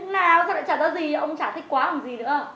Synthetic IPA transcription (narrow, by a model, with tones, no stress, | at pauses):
naː˨˩˨sa˧˦ɗa̰˧˥t͡ɕaː˧˩t̪aː˨˦zi˨˩˨ʔə˧wŋ͡mt͡ɕaː˧˩t̪ʰi˦˥kwaː˨˦la˨˩zi˨˩nɨ̰˧˥ə